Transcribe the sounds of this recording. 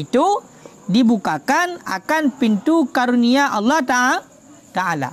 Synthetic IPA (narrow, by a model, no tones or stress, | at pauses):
it̪u | dibukakana̰kanpint̪ukaɾuniaʔɑlːɑht̪aa | t̪aʔala̰